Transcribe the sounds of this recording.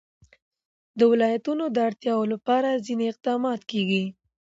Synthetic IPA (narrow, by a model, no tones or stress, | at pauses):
d̪əwɪlɑjat̪unod̪əaɽt̪jɑwolapɑɾazineɪq̚d̪ɑmɑt̪keɡi